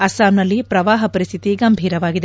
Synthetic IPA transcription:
ɐsaːmnɐlːipɾɐʋaːɦɐpɐɾist̪ʰit̪iɡɐmbʱiːɾɐʋaːɡid̪e

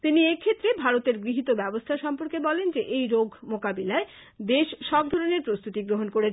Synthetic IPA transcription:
t̪iniekʰet̪ːɾebʱaɾot̪eɾɡɾiɦit̪obɛbost̪ʰaʃɔmpoɾkebɔlend͡ʑeʔejɾoɡʱmokabilae | d̪eʃʃɔb̚d̪ʱɔɾoneɾpɾost̪ut̪iɡɾoɦonkoɾet͡ɕʰ

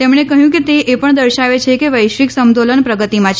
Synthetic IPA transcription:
t̪emɳekəɦjũk̬et̪eepəɳd̪əɾʃaʋet͡ʃʰekeʋəjʃʋiksəmd̪olənpɾəɡət̪imãt͡ʃʰ

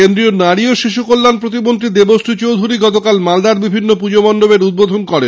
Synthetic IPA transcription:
end̪ɾionaɽioʃiʃ̬ukolːanpɾot̪̬imont̪ɾid̪ebosʈʰit͡ɕowd̪ʱuɾiɡɔt̪okalmald̪aɾbibʱinːopud͡ʑomɔnɖobeɾud̪̚bod̪ʱonkɔɾen

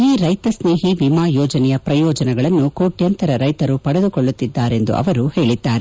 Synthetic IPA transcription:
iːɾɐjt̪ɐsneːɦiʋimaːjɔːd͡ʒɐnɛjɐpɾɐjɔːd͡ʒɐnɛɡɐɭɐnːukoːʈjɐnt̪ɐɾɐɾɐjt̪ɐɾupɐɽɐd̪ukɔɭːut̪ːid̪ːaːɾe̞nd̪ṵʔɐ̰ʋɐɾuhe̞ːɭid̪ːaːɾe

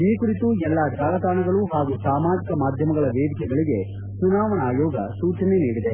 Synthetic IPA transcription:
iːkuɾit̪uɛlːɐd͡ʒ̪aːɡɐt̪aːnɐɡɐɭuɦaːɡusaːmaːd͡ʒikɐmaːd̪ʱjɐmɐɡɐɭɐʋeːd̪ikɛɡɐɭiɡe̞ | sunaːʋɐnaːjɔːɡɐ̰suːt͡ʃɐneniːɽid̪e̞

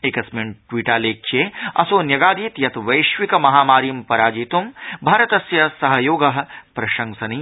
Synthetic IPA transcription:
eːkɐsminʈʋiːʈaːleːkʃeːɐsoːnjɐɡaːd̪iːt̪jɐt̪ʋɐjʃʋikɐmɐɦaːmaːɾimpɐɾaːd͡ʒiːt̪umbʱaːɾɐt̪ɐsjɐsɐɦɐjoːɡɐɦɐ̆pɾɐʃɐ̃ŋsɐni

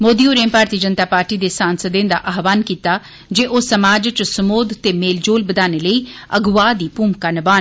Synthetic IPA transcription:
moːd̪iːoːɾẽːmpaːɾt̪iːd͡ʒənt̪aːpaːɾʈiːd̪eːsaːnsəd̪ẽːd̪a̰ːʔaːʋaːnkiːt̪aː | d͡ʒeːʔoːsəmaːd͡ʒt͡ʃsəmoːd̪t̪eːmeːld͡ʒoːlbəd̪aːneːləiːəɡʋaːd̪iːpuːmkaːnɪbaːn

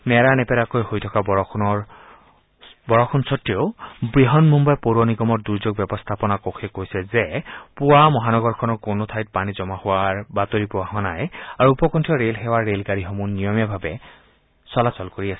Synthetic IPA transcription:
mɛɹanɛpɛɾakojhojtʰɔkabɔɔkʰnɔɹ | bɔɹɔkʰunsɔtijɔbɹiɦɔnmumbajpoɾɔniɡɔmɔɹd̪uɹzoɡ̚bɛbɔst̪ʰapɔnakokʰekojsɛzepʊwamɔɦanɔɡɔɹkʰɔnɔkonot̪ʰajt̚panizɔmahʊwaɹbat̪oɹipuwahʊanajaɹuupɔkɔntʰiɔɹelɦɛwaɹːelɡaɹiɦɔmunːijɔmjabʱabɛ | sɔlasɔlkoɹiasɛ̥

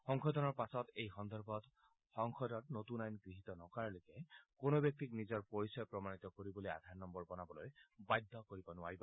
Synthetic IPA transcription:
xɔŋkʰɔd̪ɔnɔɹpasɔt̪ejxɔnd̪ɔɹbʱɔt̪ | xɔŋkʰɔd̪ɔt̚not̪unajnɡɹiɦit̪ɔnɔkaɹlokɛkonobjɔk̚t̪iknizɔɹpoɹisɔjpɹɔmanit̪ɔkoɾibɔloja̰d̪ʱaɹnɔmbɔɹbɔnabɔlojbajd̪ʱːɔkoɹibɔnʊwaiba

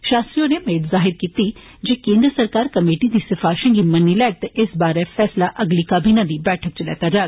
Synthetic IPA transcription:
ʃaːst̪ɾiõːneːmeːʈzaːɦɪɾkiːt̪iː | d͡ʒeːkẽːnd̪ɾəsəɾkaːɾkəmeːʈiːd̪iːsɪpʰaːʃə̃ŋɡiːmənːiːlɛːk̚t̪eʔɪsbaːɾɛːpʰɛːslaːʔəɡliːkaːbiːnãːd̪iːbɛːʈʰək̚t͡ʃəlɛ̰ːt̪aːd͡ʒaːɡ

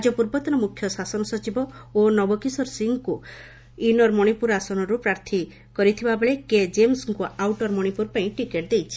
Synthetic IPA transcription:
ad͡ʒɔpuɾbɔt̪ɔnɔmukʰjɔsasɔnɔsɔt͡ʃibɔonɔbɔkisɔɾsiŋku | inɔɾmɔɽ̃ipuɾasɔnɔɾupɾaɾt̪ʰi | kɔɾit̪ʰibabeɭeked͡ʒemsŋkuʔawʈɔɾmɔɽ̃ipuɾpaĩʈikeʈd̪ejt͡ʃʰi̥

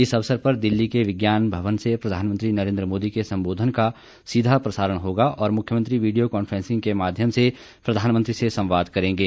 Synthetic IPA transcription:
ɪsɐʋsəɾpɐɾd̪ɪlːikeʋɪɡjaːnbʱɐʋənsepɾɐd̪ʱaːnmə̃nt̪ɾinɐɾẽːnd̪ɾəmoːd̪ikesɐ̃mboːd̪ʱənka | sid̪ʱapɾɐsaːɾəɽ̃ɦoːɡaʔɔːɾmʊkʰjəmə̃nt̪ɾiʋiːɖijokɔːnfʰɾɛ̃ːnsɪ̃ŋɡkemaːd̪ʱjəmse | pɾɐd̪ʱaːnmənt̪ɾisesɐ̃mʋaːd̪kɐɾẽːŋɡeː

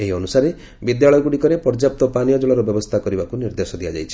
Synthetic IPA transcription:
eɦiɔnusaɾe | bid̪jaɭɔjɔɡuɽikɔɾepɔɾd͡ʒap̚t̪ɔpanijɔd͡ʒɔɭɔɾɔbjɔbɔst̪ʰakɔɾibakuniɾd̪esɔd̪ijad͡ʒa̰jt͡ʃʰi̥

